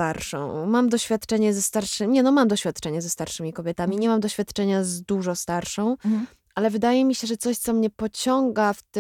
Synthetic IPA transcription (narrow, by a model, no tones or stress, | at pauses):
t̪aɾʂɔ̰̃w̃mamd̪ɔɕfʲjat̪t͡ʂɛɲɛzɛst̪aɾʂɘɲɛnɔmamd̪ɔɕfʲjat̪t͡ʂɛɲazɛst̪aɾʂɘmʲikɔbʲjɛt̪amʲiɲɛmamd̪ɔɕfʲjat̪t͡ʂɛɲazd̪uʐɔst̪aɾʂɔ̃w̃ | ʔalɛvɘd̪ajɛmʲiɕɛʐɛt̪sɔɕt̪sɔmɲɛpɔt͡ɕɔŋɡaftt̪